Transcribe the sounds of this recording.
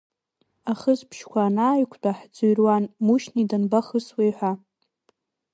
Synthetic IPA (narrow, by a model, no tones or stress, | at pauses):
aχəzpʰʃkʷʰaːnaːjkʷʰt͡pʼaħd͡zuɥrwanmuʃnidanbaχəswejħʷa